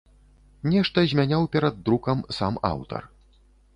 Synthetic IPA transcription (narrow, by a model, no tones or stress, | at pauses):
nʲɛʂt̪ɐzʲmʲanʲawpʲɛɾɐd̪ːɾukɐmsama̰wt̪ɐ̰r